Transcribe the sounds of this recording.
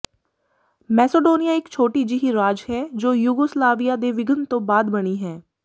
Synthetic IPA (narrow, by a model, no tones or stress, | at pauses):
mɛːseɖoːnijaɪkt͡ʃʰoːʈid͡ʒiɦiɾaːd͡ʒɦɛːd͡ʒoːjʊɡoːslaːʋijad̪eʋɪɡənt̪õbaːd̪bɐɽ̃iɦɛː